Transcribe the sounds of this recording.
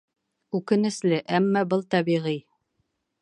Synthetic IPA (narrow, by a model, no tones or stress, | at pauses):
ʉkɘ̆nɘ̆slɘʔæmːæbɤlˠt̪æβiʁij